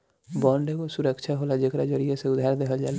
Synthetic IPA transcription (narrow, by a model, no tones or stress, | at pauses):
bɔ̃ːɳɖekosʊɾəkʃʰaɦoːlad͡ʒekɾad͡ʒəɾijeseʊd̪ʱaːɾd̪eɦəld͡ʒa̰ːl